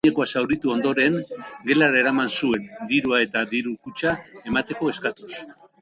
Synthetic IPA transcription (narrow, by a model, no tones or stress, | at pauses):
eko̞asawɾit̪uo̞nd̪o̞ɾe̞ŋɡe̞laɾae̞ɾamansue̞nd̪iɾuae̞t̪aðiɾukut͡ʃae̞mat̪e̞ko̞e̞skat̪us